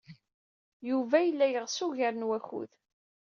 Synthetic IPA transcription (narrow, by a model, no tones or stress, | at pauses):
juvæjəlːæjəʁsuʝaɾənwæçṵð